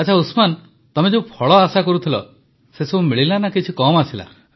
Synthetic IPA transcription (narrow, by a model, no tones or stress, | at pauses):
at͡ʃʰausman | t̪ɔmed͡ʒeũpʰɔɭɔasakɔɾut̪ʰilɔ̰ | sesɔbʱumiɭilanakit͡ʃʰikɔmasila̰